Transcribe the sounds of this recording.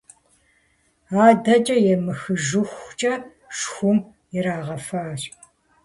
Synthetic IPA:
aːdɐt͡ʃʼɐjɛmɨxɨʒɨxʷt͡ʃʼɐ | ʃxʷʊm | jɛɾaːʁɐfaːr

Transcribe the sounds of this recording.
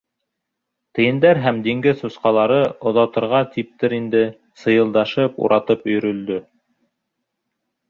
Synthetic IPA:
t̪ɘ̆jɘ̆nd̪æɾɦæmd̪iŋɡɘðusqɑlˠɑɾɤŏðɑwt̪ɤ̆ɾʁɑt̪ip̚t̪ɘɾind̪ɘ | sɤ̆jɤ̆lˠd̪ɑʃɤpṵɾʔɑt̪ɤpɵ̆jɵ̆ɾɵ̆ld̪ɵ

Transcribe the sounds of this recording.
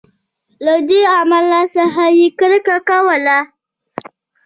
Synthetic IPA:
lad̪eamalasaɦajikɾəkakawəla

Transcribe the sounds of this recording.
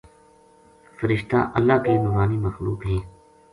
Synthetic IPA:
fəɾɪʃt̪a̰ːʔəlːaːkeːnʊːɾaːniːməxluːkɦɛ̃ː

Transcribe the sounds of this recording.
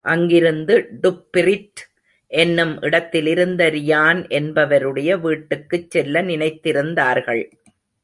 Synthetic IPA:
ʔɐŋɡɪɾɯnd̪ɯɖʊpːɪɾɪʈ | ʔɛnːɯmʔɪɽɐt̪ːɪlɪɾɯnd̪ɐɾɪjaːnʔɛnbɐʋɐɾɯɽɐjɐʋiːʈːɯkːɯt͡ʃːɛlːɐnɪnɐɪt̪ːɪɾɯnd̪aːɾɣɐɭ

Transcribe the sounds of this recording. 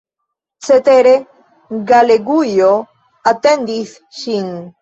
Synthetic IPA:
t͡set̪eɾe | ɡaleɡujo | at̪end̪iθ | ʃiŋ

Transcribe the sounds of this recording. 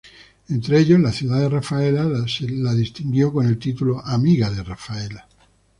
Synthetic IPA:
ent̪ɾeeʎozlaθjuðaðerafaelaselaðist̪iŋɡjokone̞lt̪it̪uloʔamiɣaðerafaela

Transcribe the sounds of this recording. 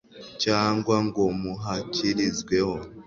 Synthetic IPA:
caːŋɡwaŋɡo̞muɦaciɾizɡwe̞ho̞

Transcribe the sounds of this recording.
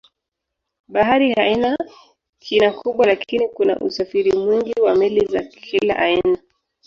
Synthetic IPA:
ɓaɦaɾihaina | kʰinakʰuɓwalakʰinikuna̰ʔṵsafiɾimwiŋɡiwamilizakʰila̰ʔaina

